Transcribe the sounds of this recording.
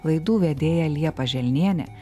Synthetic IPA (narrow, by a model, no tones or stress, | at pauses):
lˠɐɪd̪uːʋʲɛd̪ʲeːjɛlʲiɛpɐʒʲɛlʲnʲiɛnʲɛ̰